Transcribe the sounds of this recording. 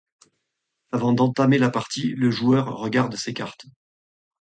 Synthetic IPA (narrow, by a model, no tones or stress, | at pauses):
avɑ̃d̪ɑ̃t̪amelapaʁt̪iləʒuœʁːəɡaʁd̪sekaʁt̪